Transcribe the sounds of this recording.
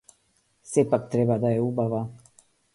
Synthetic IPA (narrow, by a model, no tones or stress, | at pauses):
sɛpak̚t̪ɾɛbad̪ajɛubava